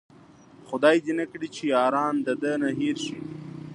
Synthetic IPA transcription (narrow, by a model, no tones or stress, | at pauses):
xʊd̪ɑːjd̪inakɽit͡ʃʰijɑːɾɑːnd̪əd̪ənaɦiɾʃi